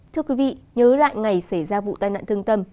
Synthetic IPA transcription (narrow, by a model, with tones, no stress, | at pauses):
t̪ʰɨ˧əkwi˨˦vḭ˧˨ɲəː˨˦la̰ː˧˨jŋa˨˩jsa˧˩jzaː˧vṵ˧˨t̪aː˧jna̰ː˧˨nt̪ɨ˧əŋt̪ə˧m